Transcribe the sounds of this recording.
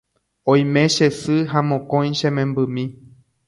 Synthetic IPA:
õj̃mẽ̞ʃesɨɦamõkõj̃ʃẽmẽ̞mbɨmĩ

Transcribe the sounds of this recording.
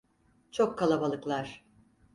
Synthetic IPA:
t͡ʃʰo̞kʰːalˠabalˠɯklˠaɾ̥

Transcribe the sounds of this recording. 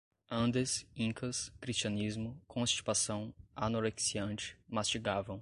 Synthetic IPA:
ɐ̃nd̪esĩŋkɐskɾist͡ʃiɐ̃nizmʊkʰõst͡ʃi̥p̪asɐ̃w̃anoɾeksiɐ̃nt͡ʃɪ̥mast͡ʃiɡavɐ̃w̃

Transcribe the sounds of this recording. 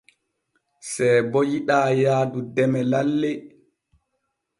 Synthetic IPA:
sɛjbɔjiɗaːjaːdudɛmɛlalːɛ

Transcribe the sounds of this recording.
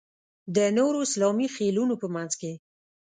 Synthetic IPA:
d̪ənoɾoɪslɑmixelunopəmanzke

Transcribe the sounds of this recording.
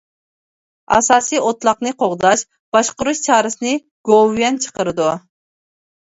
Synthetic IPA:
ɑ̰sɑːsijot̪lˠɑqnɨqʰoʁd̪ɑʃ | b̥ɑʃqʊɾuʃt͡ʃʰɑːɾɨsɨnɨ | ɡ̥ovjɛnt͡ʃʰə̥qəɾɨd̪u

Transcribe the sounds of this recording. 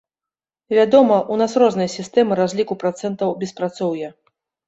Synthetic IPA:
vʲad̪ɔmɐʔunasrɔznɨjɐsʲist̪ɛmɨɾazʲlʲikupɾat̪sɛnt̪ɐwbʲɛspɾat̪sɔwjɐ

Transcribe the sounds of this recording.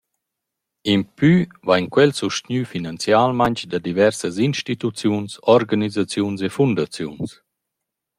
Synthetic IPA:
impy | vajɲkwɛlsuʃt̪ɲyfinant͡sjalmaɲt͡ʃd̪ad̪ivɛɾsəzinʃtit̪ut͡sjunsɔɾɡanizat͡sjunsefund̪at͡sjuns

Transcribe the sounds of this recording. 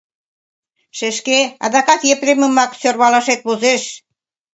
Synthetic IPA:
ʃeʃkeɑ̰d̪ɑkɑt̪jepɾemə̆mɑksørβɑlɑʃet̪̚βozeʃ

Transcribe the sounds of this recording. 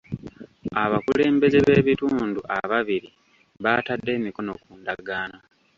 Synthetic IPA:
aβakule̞ːmbe̞ze̞βe̞ːβituːnduʔaβaβiɾi | βatadːe̞ːmiko̞no̞kuːndaɡaːna

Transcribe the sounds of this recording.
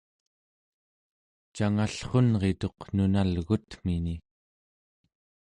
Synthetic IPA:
t͡ʃaŋaɬχonʁe̞t̪o̞qnunalɣut̪m̥ini

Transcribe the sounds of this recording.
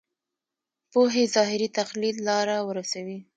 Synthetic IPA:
poɦezɑɦɪɾit̪axlid̪lɑɾawəɾasawi

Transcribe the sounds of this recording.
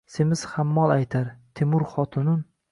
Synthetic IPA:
semɪz̥hamːɒlˠajt̪ʰaɾt̪ʰɪmʊɾχɒt̪ʰʊnʊn

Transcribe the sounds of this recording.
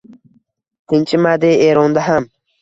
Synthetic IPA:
tint͡ʃʰimad̪eːeːɾond̪aɦam

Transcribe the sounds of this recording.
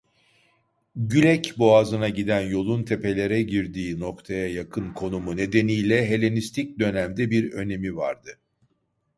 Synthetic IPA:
ɟylʲɛcboazɯnaɟid̪ænjo̞lˠunt̪ʰe̞pe̞lʲe̞ɾɛɟiɾd̪iːno̞kt̪ʰajajakʰɯnkʰo̞numune̞d̪e̞nijlʲɛɦe̞lʲenist̪ʰic̚d̪ø̞næmd̪ɛbiɾø̞ne̞miva̰ɾd̪ɯ

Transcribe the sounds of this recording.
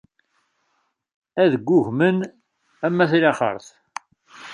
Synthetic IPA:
æðəɡʷːʊʝmən | æmːæθiɾɑχə̰ɾˤθ

